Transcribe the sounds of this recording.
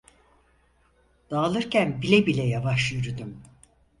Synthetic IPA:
d̪̥aːlˠɯɾcʰænbilʲɛbilʲɛjavaʃjyɾyd̪ym

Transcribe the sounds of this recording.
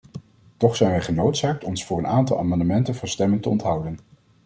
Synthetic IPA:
tɔχsɛjnʋɛjχənowtsaːk̚tɔnsfʊːɹənaːntɑlˠa̰ːmɑndəmɛntənvɑnstɛməntəɔ̰ntɦʌwdən

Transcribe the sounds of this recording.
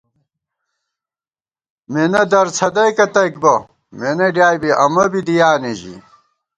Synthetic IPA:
menɐd̪ɐɾt͡sʰɐd̪ɐjkɐt̪ɐjk̚bɐ | menɐɖjaːjbiʔɐmɐbid̪ijaːneʑḭ

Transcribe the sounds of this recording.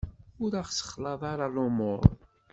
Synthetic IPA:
ʊɾæχsə̥χlɑðˤɑɾˤɑlomʊ̰ɾˤ

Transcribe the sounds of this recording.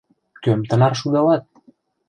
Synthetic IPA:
kømt̪ə̆nɑrʃud̪ɑlɑt̪̚

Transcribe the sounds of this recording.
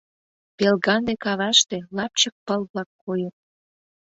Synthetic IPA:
pelɣɑnd̪ekɑβɑʃt̪elɑp̚t͡ɕək̚pəlβlɑkːojət̪̚

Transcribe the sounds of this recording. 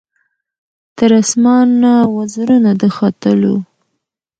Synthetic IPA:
t̪əɾasmɑnːawazɾunad̪əxɑt̪əlo̰

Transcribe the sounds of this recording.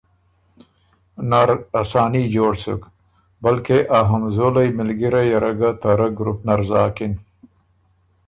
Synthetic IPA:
naɾasaːnid͡ʑoːɽsṵk | bɐlkeʔaɦɐmzolajmɪlɡiɾajɐɾɐɡat̪aɾɐɡɾupnɐɾzaːkin

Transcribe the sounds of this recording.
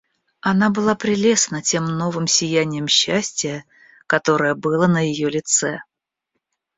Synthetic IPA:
ɐnabɨlˠapɾʲɪlʲe̞snətʲe̞mno̞vɨmsʲɪjænʲɪjəmɕːæsʲtʲɪjə | kɐt̪o̞ɾəjəbɨlˠənəjɪjolʲɪt̪sɛ

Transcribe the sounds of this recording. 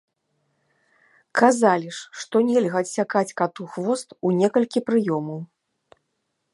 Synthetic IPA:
kʰazalʲiʂːt̪ɔnʲɛlʲɣɐɐsʲakat͡sʲkat̪uxvɔst̪unʲɛkɐlʲkʲipɾɨjɔmɐw

